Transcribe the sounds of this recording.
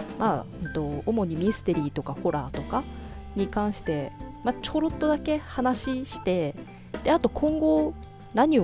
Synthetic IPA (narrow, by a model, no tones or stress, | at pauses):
maɯt̪o̞ːmo̞ɲ̟imʲisɨ̥t̪e̞ɾʲiːt̪o̞kaho̞ɾaːt̪o̞kaɲ̟ikãɰ̃ɕi̥t̪e̞mat͡ɕo̞ɾo̞t̪ːo̞d̪ake̞hanaɕiɕi̥t̪e̞ | d̪̥e̞at̪o̞kʰõ̞ŋɡo̞ | naɲ̟i